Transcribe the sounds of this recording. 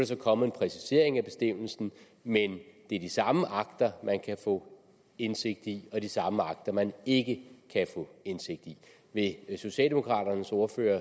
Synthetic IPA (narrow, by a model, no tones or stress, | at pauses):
ɾ̥es̬ɒ̽kʰɒ̽məe̝npʰʁɛsi̥se̝ɐ̰e̝ŋæb̥e̝sd̥em̰l̩sn̩ | mend̥e̝æɐd̥isɑ̈məʔɑ̈ɡ̥d̥ɐmænkʰæfɔ̰̽ː | ense̝ɡ̥̚d̥iɒ̽d̥isɑ̈məɑ̈ɡ̥̚d̥ɐmæne̝ɡ̥əkʰæfɔ̰̽ːense̝ɡ̥̚d̥i | ʋe̝so̝ɕɛ̰ld̥e̝mo̝kʰʁɑ̰̈ːɾ̥ɐnəsɔːɐføːɐ